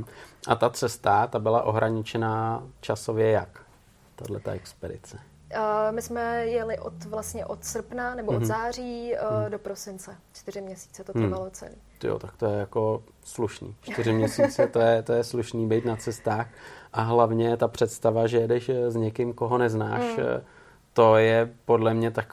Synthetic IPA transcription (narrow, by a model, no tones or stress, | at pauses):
ʔat̪at͡sɛst̪at̪abɪlaʔo̞ɦɾʔaɲɪt͡ʃɛnaːt͡ʃaso̞vjɛjak | t̪adlɛt̪a̰ʔɛkspɛdɪ̰t͡sɛ | mɪsmɛjɛlɪʔot̪vlast̪ɲɛʔot̪sr̩pnanɛboʔozaːriːdopɾosɪnt͡sɛt͡ʃt̪ɪɾɪmɲɛsi̥ːt͡sɛt̪ovalot͡sɛ̰lijo̰t̪akt̪ojɛjako̞ | sluʃnḭːt͡ʃt̪ɪɾɪmɲɛsit͡sɛt̪ojɛt̪ojɛsluʃniːbɛjt̪nat͡sɛst̪aːxʔaɦlavɲɛt̪apr̝̥ɛt̪st̪avaʒɛjɛdɛʃzɲɛkɪmko̞ɦo̞nɛzna̰ːʃ | t̪o̞jɛpodlɛmɲɛt̪ak